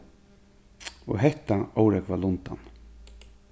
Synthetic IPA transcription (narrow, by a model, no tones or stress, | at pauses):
ɔ̰ɦɛht̪aowɾɛkvalʊnt̪a̰n